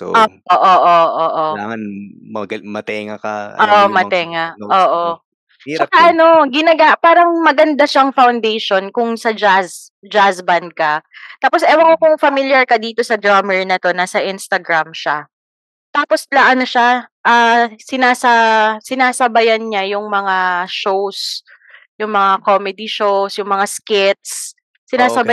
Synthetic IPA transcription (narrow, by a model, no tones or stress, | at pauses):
t̪oʔoʔoːʔoʔoʔoːʔoaŋɐnmɐɡmɐt̪ɛŋɐkɐ̰ʔoʔomɐt̪ɛŋaʔoːʔo | t͡ʃɐkɐʔɐno̞ɡɪnɐɡapaːɾɐŋmɐɡɐnd̪aʃɐʔɐŋfɐwnd̪ejʃo̞nkʊŋsɐd͡ʒas | d͡ʒasbɐnd̪̚kɐt̪aːposʔɛwɐŋokʊŋfɐmiljɐɹkɐd̪iːt̪o̞sɐd̪ɹamɛɹnɐt̪o̞nɐsɐʔɪnst̪ɐɡɾamʃa̰ | t̪aːposlɐʔɐnoʃaʔaːsɪnaːsɐsɪnaːsɐbɐjɐnɲajʊŋmɐŋaʃows | jʊŋmɐŋakomɛd̪ɪʃowsjʊŋmɐŋaskɪt̪̚sː | ɪnaːsɐba